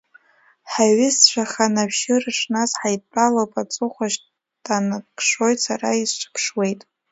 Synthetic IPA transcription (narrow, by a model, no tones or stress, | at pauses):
ħaɥɪst͡ʃʷʰaχanabʒɪrɨʂnazħajtʼpʼalopʼat͡sʼɨχʷaʃ | dʼanakʰʼʂo̞jtʼsaraizt͡ʃʷʰpʰʂwe̞jtʼ